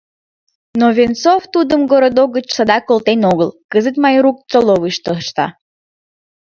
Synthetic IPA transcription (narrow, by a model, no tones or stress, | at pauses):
noβʲent͡soft̪ud̪əmɡoɾod̪oɣət͡ɕsəd̪ɑkolt̪enoɣəlkəzət̪mɑjɾuk̚t͡soloβɨʃt̪əʃt̪ɑ̰